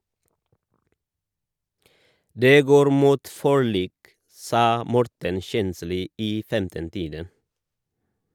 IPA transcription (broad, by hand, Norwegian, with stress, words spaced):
ˈdeː ˈɡoːɾ ˈmuːt fɔˈɭiːk ˈsɑː ˈmɔɾtən ˈçɛnsliː ˈiː ˈfɛmtən ˈtiːdən